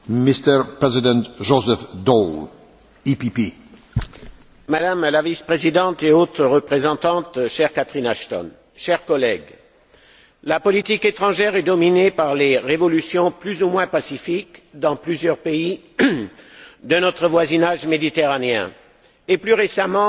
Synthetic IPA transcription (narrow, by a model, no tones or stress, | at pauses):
mist̪əɹpɹɛzid̪ɛ̃nt̪ʒozɛfd̪ɔl | ipipi | mad̪amlavispχezid̪ɑ̃t̪eot̪χʁəpχezɑ̃t̪ɑ̃t̪ʃɛʁkat̪χinaʃt̪ɔ̰n | ʃɛʁkɔlɛɡ | lapɔlit̪iket̪χɑ̃ʒɛʁɛd̪ɔminepaʁleʁevɔlysjɔ̃plyzumwɛ̃pasifikd̪ɑ̃plyzjœʁpei | d̪ənɔt̪χəvwazinaʒmed̪it̪eʁaneɛ̰̃ | eplyʁesamɑ̃